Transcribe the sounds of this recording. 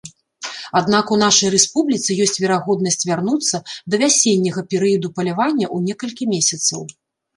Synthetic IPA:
ad̪nakunaʂɐjrɛspublʲit̪sɨjɔsʲt͡sʲvʲɛɾaɣɔd̪nɐsʲt͡sʲvʲarnut̪sːɐd̪ɐvʲasʲenʲːɐɣɐpʲɛɾɨjɐd̪upɐlʲavanʲːɐʔunʲɛkɐlʲkʲimʲesʲɐt̪sɐw

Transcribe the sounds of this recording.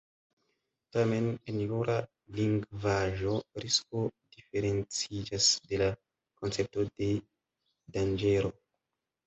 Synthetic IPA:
tame̞nenluɾʔa | liŋɡvaʒo̞ɾiskod̥ife̞ɾe̞nt͡sid͡ʒasde̞la | ko̞nt͡se̞p̚to̞d̥e̞ | dand͡ʒe̞ɾo̞

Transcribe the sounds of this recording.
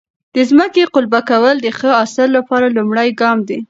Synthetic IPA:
d̪̥əzməkeqʊlbakawəld̪əxəɑsəlːapɑɾalumɽajɡɑmd̪i

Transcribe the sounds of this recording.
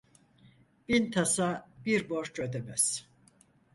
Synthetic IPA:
b̥int̪ʰasabiɾboɾt͡ʃød̪emɛz̥

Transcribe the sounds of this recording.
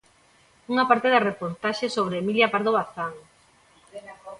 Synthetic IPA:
uŋapaɾt̪eðarepoɾt̪aʃesoβ̞ɾeemiljapaɾðoβaθaŋ

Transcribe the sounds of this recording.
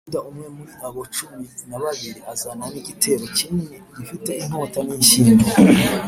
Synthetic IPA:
daumŋe̞muɾiaβot͡ʃuminaβaβiɾiʔazamaniɡitʰe̞ːɾo̞cininidifite̞in̥o̞ːtaniʃiːnde

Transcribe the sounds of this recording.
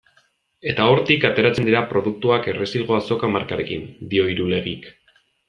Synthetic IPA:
e̞t̪ao̞ɾt̪ikat̪e̞ɾat͡send̪iɾapɾo̞ðuk̚t̪uake̞re̞silɣo̞aso̞kamaɾkaɾe̞kind̪io̞iɾule̞ɣ̞ik

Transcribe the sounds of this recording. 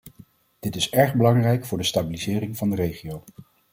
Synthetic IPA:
d̥ɪtɪsɛɹχbəlɑŋrɛjkfʊːɹdəstaːbilizɪːrɪŋvɑndərejχiow

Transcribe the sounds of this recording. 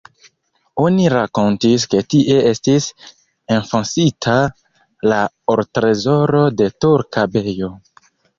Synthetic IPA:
o̞niɾako̞ntiske̞tiʔe̞e̞stis | e̞nfonsitʰa | la | oɾtɾe̞zo̞ɾo̞de̞tuɾkabe̞jo̞

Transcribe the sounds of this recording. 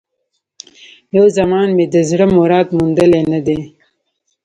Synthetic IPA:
jowzɐmɑːnmed̪əzɽəmoɾɑːt̪mund̪əlenɐd̪e

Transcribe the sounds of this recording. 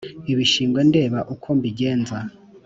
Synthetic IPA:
iβiʃiːŋɡwende̞ːβaʔukʰombiɟe̞ːnza

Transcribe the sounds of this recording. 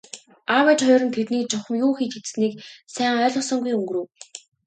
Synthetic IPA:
awet͡ɕχʊːɾɞ̆nt̪ʰet̪niːk̚t͡ɕʊχə̆mjuːxiːt̪et͡s̪sniːksæːŋœːɮɞ̆sɞ̆ŋɡujɵŋɡrɘ̆w

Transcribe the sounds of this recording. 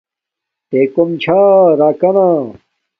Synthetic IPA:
t̪eːkomt͡ɕʰaːɾaːkɐnaː

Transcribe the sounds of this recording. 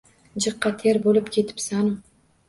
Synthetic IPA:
d͡ʒɨqːɑt̪ʰeɾbolɪpkʲʰe̞t̪ʰɪ̥psanʊ

